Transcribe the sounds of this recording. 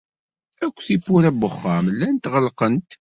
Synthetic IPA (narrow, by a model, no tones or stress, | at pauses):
ækʷːθipːʊɾæbəχːɑmlːænt̪ʁəlqənt̪